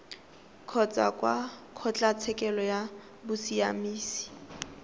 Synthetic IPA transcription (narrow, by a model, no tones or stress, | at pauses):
kʰɔt͡sʼa̰kʼwakʰɔt͡ɬʼat͡sʰɛkʼɛlɔja | bʊsiamiːsi̥